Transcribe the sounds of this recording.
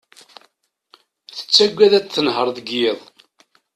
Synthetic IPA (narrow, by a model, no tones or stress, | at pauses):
θə̥t͡sːæɡʷːæðæt͡sθːənɦəɾˤðəɡeðˤ